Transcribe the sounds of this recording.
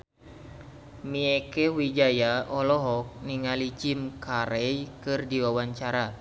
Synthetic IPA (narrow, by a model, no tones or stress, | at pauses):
miekɛwid͡ʒajaʔɔlɔɦɔk̚niŋalid͡ʒimkʰaɾɛjkɨrdiwawaɲt͡ʃaɾa